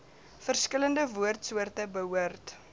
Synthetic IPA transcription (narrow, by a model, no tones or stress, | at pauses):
fərskələndəvuərtsuərtəbəɦuərt